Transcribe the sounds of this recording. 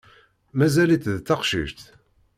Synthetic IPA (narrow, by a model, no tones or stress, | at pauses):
mæzæliθðt͡sːɑqʃḭʒt̪